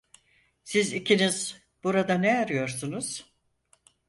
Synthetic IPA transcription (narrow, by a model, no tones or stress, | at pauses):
sizicʰiniz | b̥uɾad̪aneaɾɯjo̞ɾsunuz̥